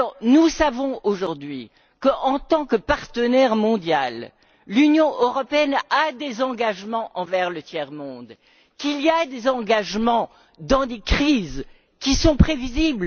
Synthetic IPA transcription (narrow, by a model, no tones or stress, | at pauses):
ɔʁnusavɔ̃oʒuʁd̪ɥi | kəʔɑ̃t̪ɑ̃kəpaʁt̪ənɛʁmɔ̃d̪jalː | ynjɔ̃ʔøʁɔpeɛnad̪ezɑ̃ɡaʒmɑ̃ʔɑ̃vɛʁlət̪jɛʁmɔ̃d̪ | kiliad̪ezɑ̃ɡaʒmɑ̃ | d̪ɑ̃d̪ekχiz | kʲisɔ̃pχevizibl